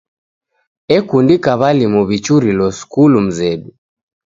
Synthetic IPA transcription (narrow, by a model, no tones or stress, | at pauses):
ɛkundikaβalimɔβit͡ʃuɾilɔskulum̩zɛɗu